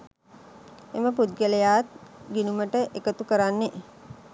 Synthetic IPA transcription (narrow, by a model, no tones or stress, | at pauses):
eməpud̪̚ɡelejaːt̪̚ɡinuməʈəʔekət̪ukəɾanːe